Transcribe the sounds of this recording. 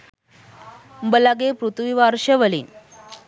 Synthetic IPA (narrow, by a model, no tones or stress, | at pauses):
mbəlaɡepɾut̪ʰʋiʋaɾɕəʋəlḭ